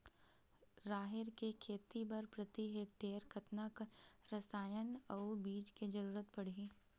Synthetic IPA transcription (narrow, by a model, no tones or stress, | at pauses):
ɾaːɦɪɾkekʰeːt̪ibɐɾpɾɐt̪iɦek̚ʈeːɾkʰɐt̪nakɾɐsaːjənɐbiːd͡ʒked͡ʒɐɾuːɾət̪pɐɽ̤i